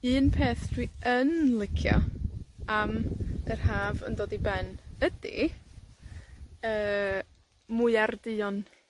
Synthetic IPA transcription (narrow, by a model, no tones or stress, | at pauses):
ɨːnpʰeːθd̥ʰwiənlˠɪkʰjɔ̰ | amər̥haːvə̰ndoːdibɛnədḭ | əː | mʊɨardɨɔn